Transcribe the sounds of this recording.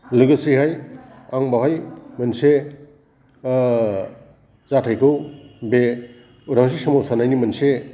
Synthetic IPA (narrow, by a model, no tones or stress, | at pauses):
lɯɡɯsihaj | aŋbaɦajmɐnse | zatʰajkʰɯwbe | uɾaŋs̬isamowsanajnimɐnse